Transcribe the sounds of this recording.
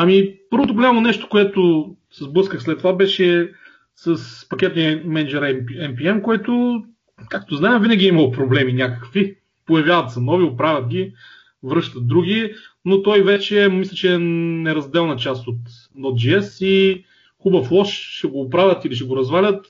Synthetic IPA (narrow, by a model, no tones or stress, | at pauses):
ɐmipɤɾvot̪̬oɡolʲamonɛʃt̪o̥koɛt̪ʊ | sɛzblˠɤskəxslɛt̪ːovabɛʃɛ | sɐspɐkʲɛt̪nimɛnd͡ʒɛɾɛpɛmpiɛmkoɛt̪o | kak̚t̪oznaɛmvinɐɡʲiiməlˠopɾoblɛminʲakə̥kvi | pojɐvʲjavɐt̪sɐnɔviopɾavʲɐt̪̚ɡʲi | vɾɤʃt̪ət̪̚d̪ɾuɡʲi | not̪ɔjvɛt͡ʃɛmislʲət͡ʃɛnɛɾɐzd̪ɛlˠnɐt͡ʃast̪ot̪ | nɔt̪̚d͡ʒiɛsi | xubəflˠɔʃʃɛɡoːpɾavʲət̪iliʃ̬ɛɡoɾɐzvalʲət̪